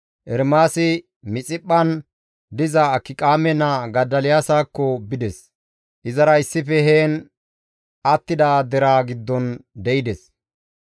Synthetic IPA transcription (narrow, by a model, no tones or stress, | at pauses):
ʔɛɾmaːsɪ | mɪt͡sʼɪpʼːɐn | d̪ɪzɐːkːɪkʼaːmɛnɐɡɐd̪ːɐlɪjaːsaːkːɔbɪd̪ɛs | ʔɪzɐɾɐɪsːɪfɛɦeːn | ɐt̪ːɪd̪aːd̪ɛɾaːɡɪd̪ːɔnd̪ɛɪd̪ɛs